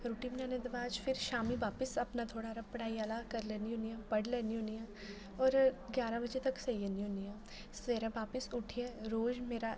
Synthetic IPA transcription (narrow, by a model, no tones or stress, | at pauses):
ɾuːʈimɪnãːned̪ɐʋaːd͡ʒfʰɪɾʃaːmiʋaːpɪsɐpnat̪ʰoːɽaɾɐpəɽaːiaːlakəɾlɛːniɦʊniãːpəɽlɛːniɦʊ̃niɛ̃ː | ɔːɾɡjaːɾãbəd͡ʒet̪ɐksɐiəniɦʊniãː | sʋeːɾãbaːpɪsʊʈʰiẽːɾoːd͡ʒmeːɾa